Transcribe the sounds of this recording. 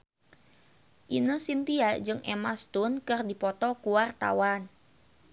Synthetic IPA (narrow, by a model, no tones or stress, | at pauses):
ʔinəsint̪iad͡ʒɨŋʔḛmast̪ʊnkɨrdipɔt̪ɔkuart̪a̰wan